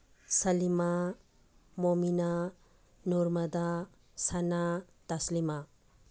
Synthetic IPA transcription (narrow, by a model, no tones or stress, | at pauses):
sɐlima | momina | nuɾmɐd̪a | sana | t̪ɐslima